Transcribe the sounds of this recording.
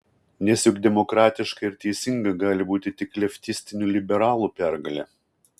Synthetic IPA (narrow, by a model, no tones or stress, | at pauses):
nʲɛsʲjʊɡd̪ʲɛmɔkɾɑːt̪ʲɪʃkɐɪɾt̪ʲɛɪsʲɪŋɡɐɡɑːlʲɪbuːt̪ʲɪt̪ʲɪklʲɛfʲt̪ʲɪsʲt̪ʲɪnʲuːlʲɪbʲɛɾɑːlˠuːpʲæˑɾɡɐlʲɛ